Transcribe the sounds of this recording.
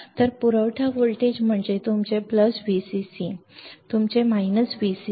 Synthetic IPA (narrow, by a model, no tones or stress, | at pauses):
t̪əɾpuɾəʋʈʰaʋoɭʈed͡ʑm̤əɳd͡ʑet̪umt͡ɕepləsʋisisit̪umt͡ɕemainəsʋisi